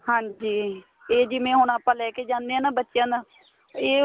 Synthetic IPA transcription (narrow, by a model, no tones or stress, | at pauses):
hãːɲd͡ʒiː | eːd͡ʒiːmɛ̃ːɦʊɳaːpːãːlɛːkeːd͡ʒãːnd̪eãːnaːbətːʃjãːna | eː